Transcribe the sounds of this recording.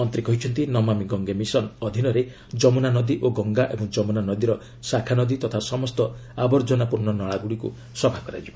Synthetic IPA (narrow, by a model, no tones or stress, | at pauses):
ɔnt̪ɾikɔɦit͡ʃʰɔnt̪inɔmamiɡɔŋɡemisɔnɔd̪ʱinɔɾe | d͡ʒɔmunanɔd̪iʔoɡɔŋɡaʔebɔŋd͡ʒɔmunanɔd̪iɾɔ | sakʰanɔd̪it̪ɔt̪ʰasɔmɔst̪ɔabɔɾd͡ʒɔnapuɾnɔnɔɭaɡuɽikṵ | sɔbʱakɔɾa̰d͡ʒibɔ